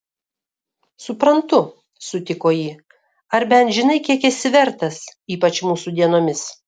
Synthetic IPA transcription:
sʊpɾɐnt̪ʊ | sʊt̪ʲɪkoːjiː | ɐɾbʲɛnt̪ʒʲɪnɐɪkʲiɛkɛsʲɪʋʲɛɾt̪ɐsiːpɐt͡ʃmuːsud̪ʲiɛnoːmʲɪs

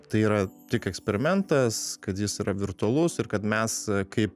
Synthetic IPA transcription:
t̪ɐɪiːɾɐt̪ʲɪkɛksʲpʲɛɾʲɪmʲɛnt̪ɐskɐt̪jɪsiːɾɐʋʲɪrt̪ʊɐlˠʊsɪɾkɐt̪mʲɛskɐɪp

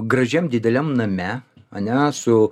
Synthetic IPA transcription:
ɡɾɐʒʲɛmd̪ʲɪd̪ʲɛlʲɛmnɐmʲɛ | ɐnʲɛsʊ

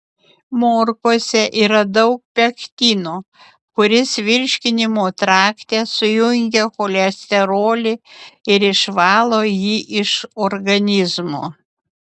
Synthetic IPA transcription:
moːɾkoːsʲɛʔiːɾɐd̪ɐʊk̚pʲɛkt̪ʲiːnoː | kʊɾʲɪsʋʲɪɾʲʃʲkʲɪnʲɪmoːt̪ɾɑːkt̪ʲeːsʊjʊŋʲɡʲɛxoːlʲɛsʲt̪ʲɛɾoːlʲɪɪɾɪʃʋɑːlˠoːjiːʔɪʃoɾɡɐnʲɪzmoː

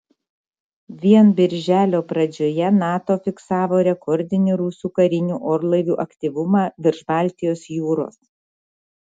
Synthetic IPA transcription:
ʋʲiɛnbʲɪɾʲʒʲæːlʲoːpɾɐd͡ʒʲoːjɛnɑːt̪oːfʲɪksɑːʋoːɾʲɛkʰɔɾʲd̪ʲɪnʲuɾusʲuːkɐɾʲɪnʲuːʔoːɾlˠɐɪʋʲuːʔɐkʲt̪ʲiːʋʊmɑːʋʲɪɾʒbɑˑlʲt̪ʲɪjoːsjuːɾo̰ːs

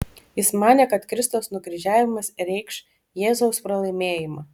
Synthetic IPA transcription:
jɪsmɑːnʲeːkɐt̪kɾʲɪst̪oʊsnʊɡɾʲɪʒʲæːʋʲɪmɐsɾʲɛɪkʃ | jeːzoʊspɾɐlˠɐɪmʲeːjɪmɑː

